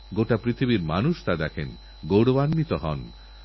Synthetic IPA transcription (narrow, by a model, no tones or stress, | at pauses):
ɡoʈapɾit̪ʰibiɾma̰nuʃt̪ad̪ɛkʰen | ɡowɽobanmit̪oɦɔ̰n